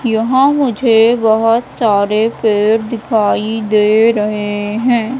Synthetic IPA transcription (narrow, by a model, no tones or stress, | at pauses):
jɐɦãmʊd͡ʒʱebɐɦɔt̪saːɾepeːɾd̪ɪkʰaːid̪eːɾɐɦeɦɛ̃ː